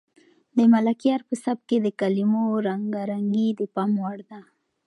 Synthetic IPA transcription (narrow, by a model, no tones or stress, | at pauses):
d̪əmalakjɑɾpəsab̚ked̪əkalimoɾaŋɡaɾaŋɡid̪əpɑmwaɽd̪a